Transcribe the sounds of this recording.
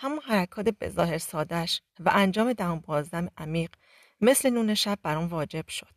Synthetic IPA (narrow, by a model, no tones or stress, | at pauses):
hæmunhæɾækʰɒːt̪ʰebe̞̰zɒ̰ːhe̞ɾsɒːd̪æʃvæ̰ʔænd͡ʒɒːme̞d̪æhunbɒːzd̪æmeʔæmiːɢ | me̞sle̞nuːne̞ʃæb̚ːæɾuːnvɒːd͡ʒe̞b̥ʃo̞d̪̥̚